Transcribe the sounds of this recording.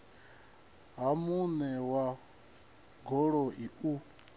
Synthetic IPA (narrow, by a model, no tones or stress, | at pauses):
ɦamunɛwa | ɡɔɺɔʔiʔu